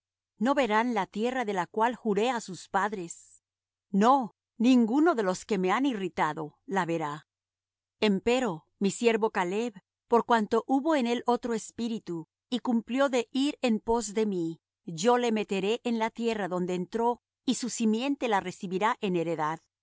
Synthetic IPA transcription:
no̞βe̞ɾanlat̪je̞raðe̞lakwalxuɾe̞asuspaðɾe̞s | no̞ | nĩŋɡuno̞ðe̞lo̞ske̞me̞anirit̪aðo̞laβe̞ɾa | e̞mpe̞ɾo̞ | misje̞ɾβo̞kale̞β | po̞ɾkwant̪o̞ʔuβo̞ene̞lo̞t̪ɾo̞espiɾit̪u | ikumpljo̞ðe̞ʔiɾempo̞zðe̞mi | ʝo̞le̞met̪e̞ɾe̞ʔenlat̪je̞raðo̞nd̪e̞ːnt̪ɾo̞ | isusimje̞nt̪e̞lare̞siβiɾaʔe̞ne̞ɾeðað

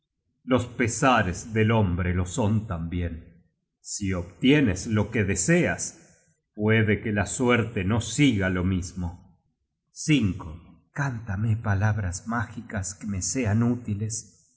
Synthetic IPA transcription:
lo̞spesaɾezðelombɾelo̞so̞nt̪ambje̞n | sioβt̪jeneslo̞keðeseas | pweðekelasweɾt̪eno̞siɣalo̞mismo | siŋko | kant̪amepalaβɾasmaxikaskemeseanut̪iles

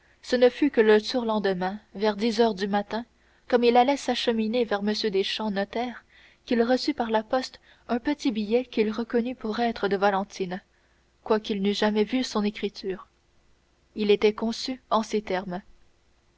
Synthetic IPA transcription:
sənəfykələt̪uːʁlɑ̃d̪əmɛ̃vɛʁd̪izœːʁd̪ymat̪ɛ̃ | kɔmilalɛsaʃəminevɛʁməsjød̪eʃɑ̃nɔt̪ɛːʁ | kʲilʁəsypaʁlapɔst̪ | œ̃pət̪ibijɛkʲilʁəkɔnypuʁɛːt̪χəd̪əvalɑ̃t̪ʰin | kwakilnyʒamɛvysɔ̃nekχit̪ʰyːʁ | ilet̪ɛkɔ̃syɑ̃set̪ɛʁm

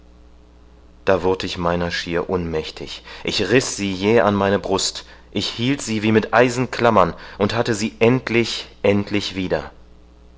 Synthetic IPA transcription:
d̥aːvʊɐtɪçmaɪnɐʃiːɐʔʊnmɛçtʰɪçʔɪçʁɪsz̥iːjeːʔanmaɪnəbʁʊstʔɪçhiːltz̥iːviːmɪtʔaɪzn̩kʰl̥amɐnʔʊnthatəziːʔɛntʰlɪçʔɛntʰlɪçv̥iːdɐ

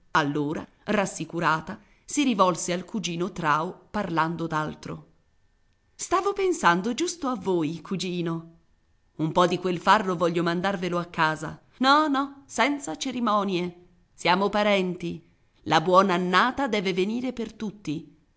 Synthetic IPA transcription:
alːoːɾa̰ | rasːikuɾaːt̪a | siɾivɔlsealkud͡ʒiːnot̪ɾaːoparland̪od̪alt̪ɾo̰ | st̪aːvopensand̪od͡ʒust̪oavːoːjkʰud͡ʒiːno | umpɔd̪ikwelfarːovɔʎːomand̪arveloakːaːza̰ | nɔnɔsɛnt̪sat͡ʃeɾimɔːnje | sjaːmopaɾɛnt̪i | labwɔːnaːnːaːt̪ad̪ɛːveveniːɾepert̪ut̪ːi

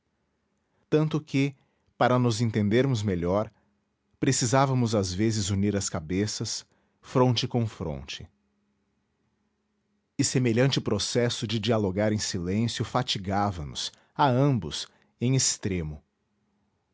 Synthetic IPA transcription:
t̪ɐ̃nt̪ʊkɪ | paɾɐnʊzẽnt̪ẽnd̪eɾmʊzmeʎɔɾ | pɾesizavɐmʊzazvezɪzuniɾɐskabesɐs | fɾõnt͡ʃɪkõfɾõ̰nt͡ʃɪ̥ | ɪsemeʎɐ̃nt͡ʃɪpɾosɛsʊd͡ʒɪd͡ʒialoɡaɾẽj̃silẽsjʊfat͡ʃiɡavɐnʊ̰s | aɐ̃mbʊs | ẽj̃est̪ɾẽmʊ

